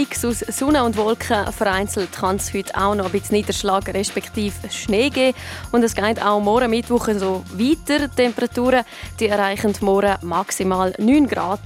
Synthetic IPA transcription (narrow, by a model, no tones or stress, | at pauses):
iksussʊnəʊndvɔlkχəfəɾaɪnt͡sl̩tχɑnshʏtʰa̰ʊnɔəbɪt͡sniːd̥əɾʃlɑːɡɾɛʃpɛkχtiːfʃneːɡeːʊndɛsɡ̥aɪta̰ʊmɔːɾəmɪtʋʊχəsoviːtəɾtɛmpəɾɑtuːɾə | d̥iɛɾaɪχəntmɔɾəmɑksimaːlnyːnɡɾɑ̰ːd̥